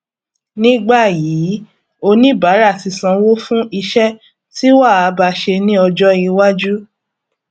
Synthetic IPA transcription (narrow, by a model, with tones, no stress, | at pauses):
nĩ˦ɡ͡ba˦˨jiː˨˦ | o˧nĩ˦ba˨˦ɾa˦˨ti˧sã˧wo˦fũ˦ʔi˧ʃɛ˦ | ti˦wa˦˨a˨˦ba˧ʃe˧nĩ˦ɔ˧d͡ʒɔ˦i˧wa˦d͡ʒu˦